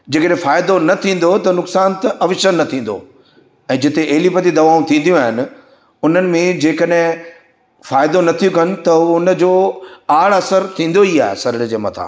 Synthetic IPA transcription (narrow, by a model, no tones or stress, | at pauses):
d͡ʑeːkəɗɦɪ̃faːɪd̪onɐt̪ʰĩːn̆d̪ot̪ɐnʊksaːnt̪ɐʔɐʋɪʃənːɐt̪ʰĩːn̆d̪o̰ | ɛ̃ːd͡ʑɪt̪eʔeɦɪlipɐt̪id̪ɐʋaːũt̪ʰĩːn̆d̪ijũaːɦɪnɪ̆ | ʊn̤ənɪ̆mẽd͡ʑeːkəɗɦɪ̃ | faːɪd̪onɐt̪ʰijũkɐnɪ̆t̪ɐʊnə̆d͡ʑoːaːɽɐsəɾt̪ʰĩːn̆d̪oia̰ːɦḛsɐɾɪɽd͡ʑeːmɐt̪ʰa̰ː